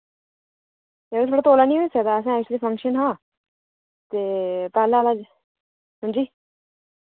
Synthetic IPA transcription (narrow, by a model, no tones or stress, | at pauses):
eet̪ʰoːɽat̪oːlanĩɦoisəkd̪aəs̬ãɛːk̚ʃlifʰə̃ŋkʃənɦãː | t̪eːpaːlaːlad͡ʒ | ɦə̃nd͡ʒiː